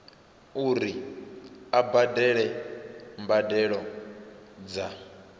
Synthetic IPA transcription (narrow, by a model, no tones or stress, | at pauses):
uɾi | abadɛɺɛ | mbadɛɺɔ | d͡za